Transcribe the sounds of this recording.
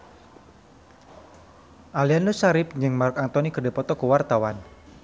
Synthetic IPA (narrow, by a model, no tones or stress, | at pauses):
ʔalianlusaɾɪp̚ɲd͡ʒɨŋmarkant̪ɔnikərdɛpɔt̪ɔkəwart̪awan